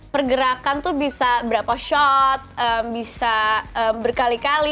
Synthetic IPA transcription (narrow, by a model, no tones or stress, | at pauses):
pərɡəɾakant̪ubisabəɾapaʃɔt̪̚əmbisaəmbərkalikali